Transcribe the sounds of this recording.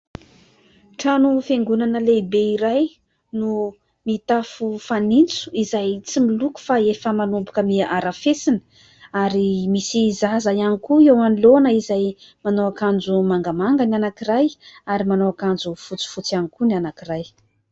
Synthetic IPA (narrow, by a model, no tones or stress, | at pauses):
ʈ͡ʂanufeŋɡunanəlebeiɾaj | nu | mit̪afufanint͡su̥izajt͡similuku̥faefəmanumbukəmiaɾafesinə̥ | aɾimisizazajanikuewanilonəizajmanoakand͡zumaŋɡamaŋɡananakiɾajaɾimanoakand͡ʒufut͡si̥fut͡sanikunanakiraj